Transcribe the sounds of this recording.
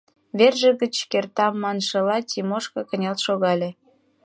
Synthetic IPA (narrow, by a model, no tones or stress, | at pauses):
βerʒə̆ɣət͡ɕkert̪ɑmːɑnʃɤ̆lɑtʲimoʃkɤ̆kə̆nʲɑlt̪ʃoɣɑlʲe